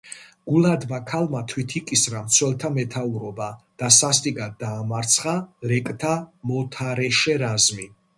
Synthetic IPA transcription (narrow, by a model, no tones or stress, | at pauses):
ɡ̥ulad̪vakʰalmat̪ʰwit̪ʰikʼisɾamt̪sʰwɛlt̪ʰamɛt̪ʰauɾɔbad̪̥asast̪ʼiɡad̪d̪aːmaɾt̪sʰχaɾɛkʼt̪ʰamɔt̪ʰaɾɛʃɛɾazmi